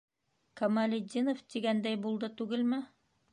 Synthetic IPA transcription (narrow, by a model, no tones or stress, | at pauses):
kɐmalʲɪd̪ʲinoft̪iɡænd̪æjbulˠd̪ɤt̪ʉɡɘlmɘ